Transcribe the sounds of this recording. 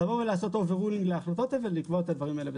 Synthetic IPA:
aʁoʁelaːso̞t̪oveʁuliŋɡleaχlat̪o̞t̪avelikvo̞t̪ad̪vaʁimaelebe

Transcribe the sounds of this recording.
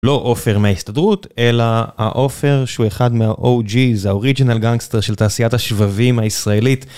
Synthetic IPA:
lo̞ʔofe̞ʁmeaistadʁute̞laha̰ʔo̞fe̞ʁʃeueχadmeaʔod͡ʒizaoʁid͡ʒinalɡaŋɡsteʁʃeltaːsijathaʃvavimhaisʁae̞lit

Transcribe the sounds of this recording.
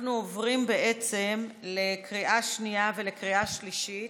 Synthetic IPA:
nuovʁimbe̞ʔe̞t͡se̞mle̞kʁiʔaʃniave̞le̞kʁiʔaʃliʃit

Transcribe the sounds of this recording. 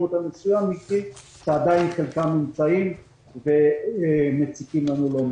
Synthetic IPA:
ut̪amesujamiki | tead̪ajinχelkamimt͡saim | ve | met͡sikimlanulom

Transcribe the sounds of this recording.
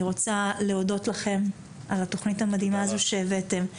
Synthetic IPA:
ʁo̞t͡saleo̞do̞tlaχe̞m | alato̞χnithamadhimaːzoʃeːvete̞m

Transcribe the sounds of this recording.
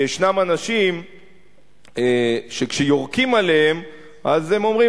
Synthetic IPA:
eʃnamanaʃim | eʃekʃejo̞ʁkimaleem | ʔazemo̞mʁi

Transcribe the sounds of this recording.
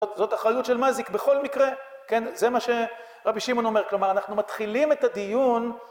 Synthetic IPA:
otzo̞taχʁajutʃe̞lmazikbe̞χo̞lmikʁe̞ke̞nze̞maʃe̞ | ʁabiʃimo̞no̞me̞klo̞maʁanaχnumat̪χilime̞tad̪ijun

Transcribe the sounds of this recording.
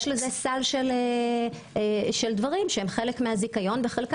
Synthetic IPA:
ʃlezesalʃele | ʃeld̪vaʁimʃehemχe̞lekmehazikajo̞nbeχelk

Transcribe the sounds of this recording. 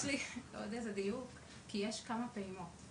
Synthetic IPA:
lio̰d̪ezed̪ijuk | kijeʃkamapeimot

